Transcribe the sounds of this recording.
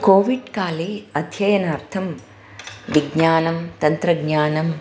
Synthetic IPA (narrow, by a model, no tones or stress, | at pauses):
koːʋiɖkaːliɐd̪ʱjɐjɐnaːɾt̪ʰɐm | ʋiɡɲaːnɐmt̪ɐnt̪ɾɐɡɲaːnɐm